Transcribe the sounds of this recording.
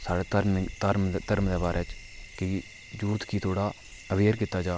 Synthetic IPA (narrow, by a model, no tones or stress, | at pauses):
saːɽɛːt̪əɾmt̪əɾmt̪əɾmd̪ɛːbaːɾʔɛːt͡ʃ | kɪ | d͡ʒuːt̪kiːt̪ʰoːɽaː | əbeːɾkɪt̪ːaːd͡ʒaː